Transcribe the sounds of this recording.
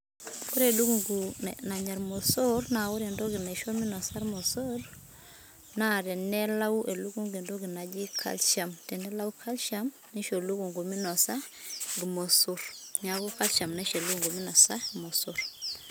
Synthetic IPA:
kʊ˦ɾe˨lu˦ɡu˨ŋɡu˨na˨ɲa˨ɾmo˨so˦ɾna˨ʊ˦ɾe˨ndo˦ɡɪ˨na˨ʃɔ˦mɪ˦nɔ˨sa˦ɾmɔ˨sɔ˦ɾ | na˦ɾɛ˨nɛ˦la˦u˦ʔe˨lu˦ɡu˦ŋɡe˨ndo˦ɡɪ˨na˨d͡ʒi˦kʰa̰˦lʃa˨mtɛ˨nɛ˦la˦u˦kʰa˦lʃa˦m | ni˦ʃo˨lu˦ku˨ŋɡu˨mɪ˦nɔ˨sa˦ɡɪ˨mo˨su˦ɾɲa˨ɡu˦ka˦lʃa˨mna˦ʃe˨lu˦ɡu˨ŋɡu˨mɪ˦nɔ˨sa˦mo˨suɾ

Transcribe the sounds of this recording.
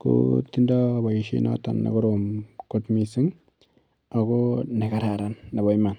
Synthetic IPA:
ko̰ti˦nda˦ba˨iʃḭ˦na̰˦ta̰˨nːa̰˨kɔ˦ɾomko˦tmi˦si˦ŋ | a˨kone˨ka˨ɾa˨ɾa˨nːa˨ba˦jma˨n

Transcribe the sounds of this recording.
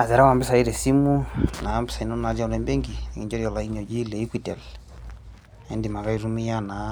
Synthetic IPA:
a˨sɛ˨ɾa˦wa˨mbɛ˦sa˨i˦ɾɛ˨si˦mu˦na˨˦mbɛ˦sa˨i˨nɔ˦na˨d͡ʒa˦u˨ɾɛ˨mbɛ˦ŋɡi˨ɛ˨ŋi˨ɲd͡ʒɔ˦ɾiɔ˨la˨i˦ɲɔ˨d͡ʒi˦le˨i˦kwi˨tɛ˨l | ɛ˦ndi˨ma˨ka˦i˦ɾu˦mi˦ja˦na˨

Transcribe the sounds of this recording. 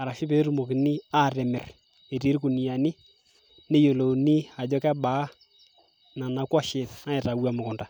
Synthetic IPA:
a˨ɾa˨ʃɪ˦pe˨te˦ɾu˨mo˨kɪ˨nɪ˦a˦˨ɾɛ˨mɪ̰˨r | e˨ɾi˨˦ɾku˨ni˨a˨nɪ˦ | ne˦jo˨lo˨nɪ˦a˨d͡ʒɔ˦kɛ˦ba˨˦ | na˨na˨kwɔ˦ʃɪ˨tna˦ɛ˨ta˨wa˦mʊ˨kʊ˨nda˨

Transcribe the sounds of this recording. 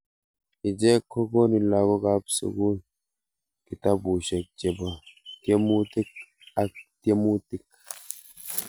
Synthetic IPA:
i˨d͡ʒɛ˦ko˦ko˦ni˨la˨ɡo˦ka˦psṵ˨ɡu˦ | ki˨ta˦bu˨ʃɛ˨k̚d͡ʒe˨ba˨tje˦mu˦ti˦k̚ | a˦te˦mu˦ti˦k̚

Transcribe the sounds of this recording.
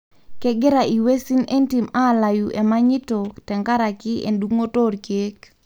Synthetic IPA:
kɛ˦ɡɪ˦ɾa˨i˨we˦si˦ne˦nti˨ma˦˨la˨ju˨ʔe˨ma˦ɲɪ˦to˨tɛ˨ŋka˦ɾa˨kɪ˦ʔḛ˨nduŋo˦to˦ɾt͡ʃe˦k

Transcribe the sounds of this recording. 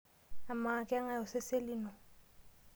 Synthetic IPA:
a˨maː˨kʼɛ˦a˦ŋa˦˨ʊ˨sɪ˦se˦lɪ˦nɔ˨

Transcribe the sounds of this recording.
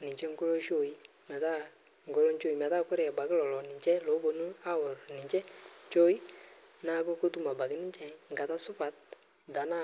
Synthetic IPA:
nɪ˨ɲt͡ʃɛ˦ŋɡo˦lo˦ʃo˦˨i˦ | mɛ˨ta˦ | ŋ˨ɡɔ˦lɔ˦ɲt͡ʃo˦i˨mɛ˨ta˦kʊ˦ɾɛ˨a˨ba˨ɡɪ˦lɔ˨lɔ˨nɪ˨t͡ʃɛ˦lo˨˦bo˨nu˦a˦wʊ˨ɾnɪ˨t͡ʃɛ˦t͡ʃo˦i˦ | na˦ko˦ko˦tu˦˨ma˨ba˨ɡɪ˦nɪ˦t͡ʃɛ˨ŋɡa˨ta˦sʊ˦pa˨t̚ | da˨˦na˦

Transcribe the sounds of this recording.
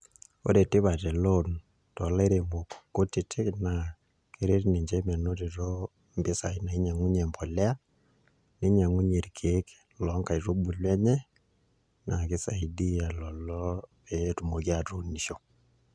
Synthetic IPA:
o̰˦ɾe˨tɪ˦βa˨tɛ˨lo˦n | tɔ˨la˦i˦ɾe˨mo˨kkːo˦tɪ˨tʰɪ˦kna˨ | ke˦ɾe˦tni˨ɲd͡ʒɛ˦mɛ˨no˦te˨to˦ | mbɪ˦sa˨i˦na˨i˦ɲa˨ŋu˦ɲɛ˨mbɔ˨lɛ˦a˦ | ne˦ɲa˨ŋu˦ɲe˨ɾkʰe˨˦k | lɔ˨˦ŋka˨i˨to˦bu˨lwɛ˦ɲɛ˦ | na˨kɪ˦sa˨i˦di˦a˨lɔ˨lɔ˦pɛtu˨mo˨k̬i˦a˨tu˨ni˨ʃo˨

